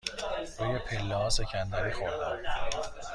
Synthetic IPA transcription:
ɾuːjepʰelːɛhɒːse̞cʰænd̪æɾiːxoɾd̪æm

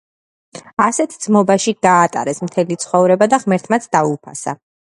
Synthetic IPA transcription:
asɛt̪ʰd̪z̥mɔbaʃiɡaːt̪ʼa̰ɾɛsmt̪ʰɛlit̪sʰχɔvɾɛbad̪aʁmɛɾt̪ʰmat̪sʰd̪aupʰa̰sa̰

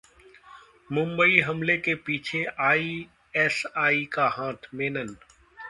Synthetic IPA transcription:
mʊ̃mbəiɦɐmlekepiːt͡ʃʰeaːi | ɛːsaːikaɦãːt̪ʰmẽːnən

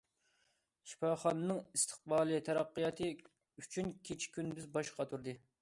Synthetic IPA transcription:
ʃʰi̥pɑχɑnɨnɨŋist̪ʰɨ̥χbɑːlˠɨt̪ʰɛɾɑqːɨjɑt̪ʰɨ | yt͡ʃʰynkʲʰet͡ʃʰi̥kʲynd̪yzbɑʃqʰɑt̪ʰuɾd̪ɨ

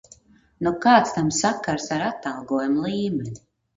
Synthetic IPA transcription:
nɔkaːt̪st̪amsakːaɾsaɾat̪ːalˠɡuɔjumlˠiːmɛnʲi

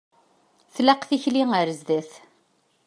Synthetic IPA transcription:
θlæqθiçliŋəɾzðæθ

